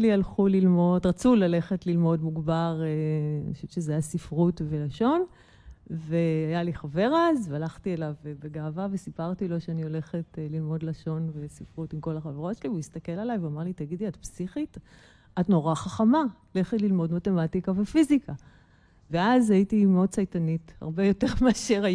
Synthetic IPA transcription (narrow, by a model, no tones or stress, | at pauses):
lialχulilmo̞dʁat͡sulale̞χetlilmo̞dmuɡbaʁenaʃuvʃezaajasifʁutve̞laʃo̞n | veajaliχave̞ʁazvealaχtielavbeɡaːvavesipaʁtilo̞ʃeanio̞le̞χetlilmo̞dlaʃo̞nvesifʁutimko̞laχaveʁo̞tʃelivuist̪ake̞lalajveamaʁlitaɡidliatpsiχit | atno̞ʁaχaχamaole̞χetlilmo̞dmate̞matikavefizikʰa | veazajitimeo̞d̚t͡sajtanitha̰ʁbejo̞teʁmeaʃeʁa